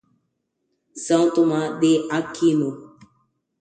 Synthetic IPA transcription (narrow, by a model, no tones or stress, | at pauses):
sãwt̪omãd̪eʔakʰinõ